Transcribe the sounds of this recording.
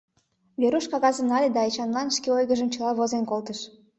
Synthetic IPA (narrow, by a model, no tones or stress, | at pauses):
vʲeɾuʃkɑɣɑzənɑlʲed̪ɑjt͡ɕɑnlɑnʃkʲeojɣə̆ʒə̆mt͡ɕə̆lˠɑβozenkolˠt̪əʃ